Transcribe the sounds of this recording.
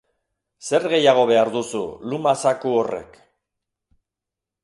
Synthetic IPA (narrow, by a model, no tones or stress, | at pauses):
se̞ɾɣe̞jaɣ̞o̞β̞e̞aɾðusṵlumasakuo̞re̞̰k